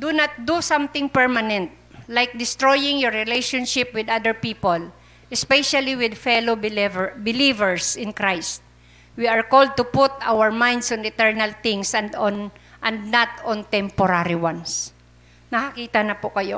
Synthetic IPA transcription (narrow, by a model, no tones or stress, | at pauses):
d̪unɐt̪̚d̪usãmt̪ɪ̃ŋpɛɹmanɛ̃nt̪̚lajk̚d̪ɪst̪ɹojɪ̃ŋjɔɹːɪlejʃɔ̃nʃɪp̚wɪd̪ad̪əɹpiːpol | ʔɛspɛʃaliwɪd̪fɛlobvbɪlivɛɹsɪ̃nkɹajst̪̚ | wiaɹkold̪̚t̪ʊpʊt̪a̰wəɹmãjnd̪sɔ̃nɪt̪ɛɹnɐlθɪ̃ŋsɐnd̪ɔnʔɐ̃nd̪̚nat̪ɔ̃nt̪ɛ̃mpɔɾaɾiwans | nɐkɐkiːt̪ɐnɐpʊkɐjo̰